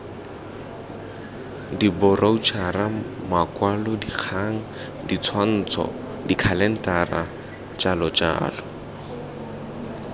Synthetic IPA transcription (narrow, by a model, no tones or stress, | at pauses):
dibʊrʔaut͡ʃʰara | makʼwalʊdik͡xʰaŋ̩ | dit͡sʰwan̩ːt͡sʰɔ̰ | dikʰalɛn̩tʼara | t͡ʃʼalɔt͡ʃʼa̰ːlɔ